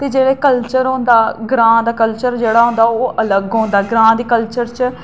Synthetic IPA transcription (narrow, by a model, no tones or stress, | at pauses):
t̪eːd͡ʒeːɽeːkəlt͡ʃəɾɦõːnd̪aːɡɾãːd̪aːkəlt͡ʃəɾd͡ʒeːɽaːɦʊ̃ːnd̪aːoːʔələɡɦõːnd̪aːɡɾãːd̪iːkəlt͡ʃəɾt͡ʃ